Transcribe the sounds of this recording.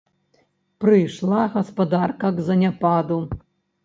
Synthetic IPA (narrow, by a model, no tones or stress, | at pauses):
pɾɨjʂlˠaɣɐspɐd̪arkɐɡzɐnʲapad̪u